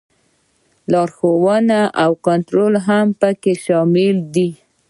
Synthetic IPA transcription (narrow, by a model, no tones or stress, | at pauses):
lɑɾxowənaʔawkʊnt̪ɾolɦampəkeʃɑmɪld̪i